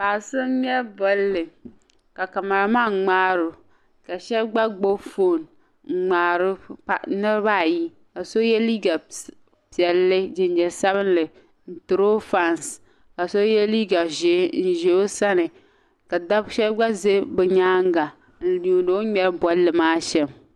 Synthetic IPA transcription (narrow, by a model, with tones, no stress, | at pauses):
paː˨sɨ˦ɲɛ˦ɾbɔ˦lːɨ˨ | ka˨ka˨ma˨ɾmaː˦˨ŋ͡maː˦ɾʊ˨ | ka˨ʃɛ˦bɡ͡ba˦ɡ͡bo˦fo˦˨n | ŋ͡m̩˨ŋ͡maː˨ɾɨ˦a˦nɨ˦ɾba˦˨ji˦ | ka˨so˦jɛ˦liː˦ɡa˨ | pi˨ɛ˨lːɨ˦d͡ʒɪ˨nd͡ʒɛ˨sa˦βɨ˦nlɨ˨ | n̩˨tɨ˨ɾo˦fa˦ns | ka˨so˦jɛ˦liː˦ɡa˨ʒe˨˦n̩˨ʒe˨o˦sa˦nɨ˨ | ka˨da˦bʃɛ˦bɡ͡ba˦ze˦bɛ˨ɲaː˦ŋ˦ɡa˨ | n̩˨lu˨no˦ɲɛ˦ɾbɔ˦lːɨ˨maː˦ʃɛ˦m